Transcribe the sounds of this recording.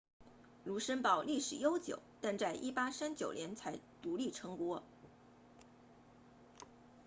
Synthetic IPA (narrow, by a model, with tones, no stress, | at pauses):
lu˧˥ʂə˥npɑ˥˩ʊli˥˩ʂɻ̩˨˩jo˥ʊt͡ɕjo̰˨˩˦ʊt̪a˥˧nt͡sa˥˩ɪʔi˥˩pa˥ʂa˥nt͡ɕjo˨˩ʊljɛ˧˥nt͡sʰa˧˥ɪt̪u˧˥li˥˩ʈ͡ʂʰɤ˧˥ŋkwɔ˥